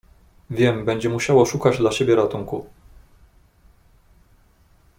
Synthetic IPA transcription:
vʲjɛmbɛɲd͡ʑɛmuɕawɔʂukad͡ʑd̪laɕebʲjɛɾat̪uŋku

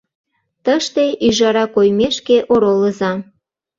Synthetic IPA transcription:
t̪əʃt̪eʔyʒɑɾɑkojmeʃkeʔoɾoləzɑ

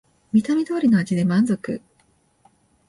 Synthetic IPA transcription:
mʲit̪amʲid̪o̞ːɾʲino̞ad͡ʑid̪e̞mãnd͡zo̞kɯ̟̰

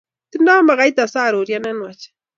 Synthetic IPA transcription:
t̪inaːmaɣajt̪asaːɾoɾjananwat͡ʃ

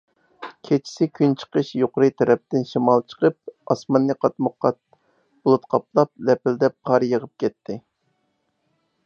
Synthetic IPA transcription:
kʲʰet͡ʃʰi̥sɪkʲʰynt͡ʃʰə̥qəʃjoqʊɾɨt̪ʰɛɾɛp̚t̪ɪnʃimɑlˠt͡ʃʰə̥qəp̚ɑsmɑnːɨqʰɑt̪mʊqːɑt̪̚ | bulˠut̪qʰɑp̚lˠɑp̚lɛpɪld̪ɛqʰɑɾjəʁəp̚kʲʰɛt̪ʰːɪ

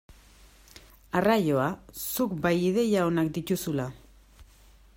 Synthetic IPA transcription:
arajo̞asukbajið̞e̞jao̞nakd̪it̪usula

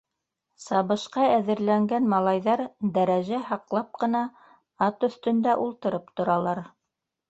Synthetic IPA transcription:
sɑβɤ̆ʃqɑæðɘ̆ɾlæŋɡænmɑlˠɑjðɑɾd̪æɾæʒæhɑqlˠɑp̚qɤ̆nɑ | ɑt̪ɵ̆θt̪ɵ̆nd̪æʔulˠt̪ɤ̆ɾɤpt̪ŏɾɑlˠɑɾ

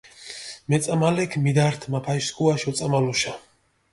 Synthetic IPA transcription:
mɛt̪sʼamalɛkʰmid̪aɾt̪ʰmapʰajskʰʼuaʃɔt̪sʼamaluʃa

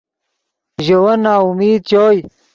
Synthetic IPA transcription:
ʑowɐnːaːumiːd̪̚t͡ɕoːj

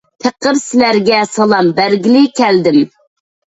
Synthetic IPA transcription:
t̪ʰeqʰəɾsɪlæɾɡʲɛsɑlˠɑmbæɾɡʲɪlɪkʲʰæld̪ɪm

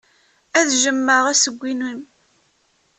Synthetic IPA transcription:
æðʒəmːəʁæsəɡʷːinwim

